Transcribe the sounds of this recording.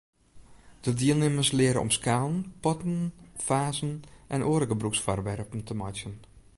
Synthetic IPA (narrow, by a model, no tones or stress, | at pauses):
d̥ədiːəlˠnɪmərslɪəɾəɔ̰mskaːlˠnpɔtən̩faːzən̩ʔɛnʔoːɾəɡəbruksfɔrʋɛrpən̩təmatjən